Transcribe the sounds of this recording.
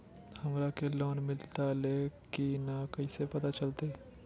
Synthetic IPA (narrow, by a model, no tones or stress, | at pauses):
hɐmɾakeloːnmɪlt̪alekinakɐisepɐt̪at͡ʃɐlt̪e